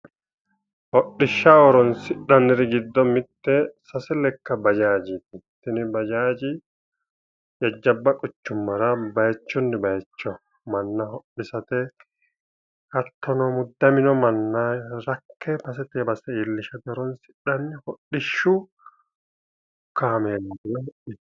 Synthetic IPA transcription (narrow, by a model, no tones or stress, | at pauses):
hɔɗːɪʃːaɔɾɔnsɪɗːɐnːɪɾɪɡɪd̪ːɔmɪt̪ːɛsɐsɛlɛkːɐbɐd͡ʒaːd͡ʒɪt̪ɪt̪ːɪnɪbɐd͡ʒaːd͡ʒɪ | jɐd͡ʒːɐbːɐkʼʊt͡ʃːʊmːɐɾɐbɐjɛt͡ʃːɔnːɪbɐjɛt͡ʃːɔ | mɐnːɐhɔɗːɪsɐt̪ɛ | ɐt̪ːɔnɔmʊd̪ːɐmɪnɔmɐnːaɾɐkʰːɛbɐs̬ɛt̪ɛbɐsɛilːɪʃɐt̪ɛɔɾɔnsɪ̥ɗːɐnːɪhɔɗɪʃːu | kːaːmeːnɐɪlɛhɔɗɪ